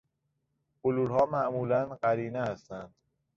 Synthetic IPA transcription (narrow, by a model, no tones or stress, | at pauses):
oluːɾɦɒːmæʔmuːlænɢæɾiːneæst̪ænd̪̥